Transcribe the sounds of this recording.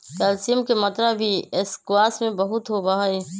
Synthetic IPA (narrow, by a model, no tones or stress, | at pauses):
kɛːlsijəmkemɐt̪ɾabʱiɪskwaːsmẽbɐɦʊt̪ɦobaɦe